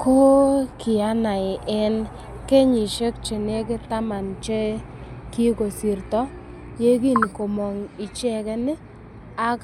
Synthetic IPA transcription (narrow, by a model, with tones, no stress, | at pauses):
ko˦kɪ˨a˦na˨ɪ˨ʔɛ˦n | ke˦ɲɪ˨ʃe˦k̚t͡ʃe˨ne˦k̬ɪ˦ta˦ma˨nt͡ʃe˦ | ki˦ko˨si˨rt̪ɔ˦ | je˦ɡi˦˨nko˨mo˨ŋɪ˨t͡ʃɛ˦˨kɛ˦nɪ˦ | a˦k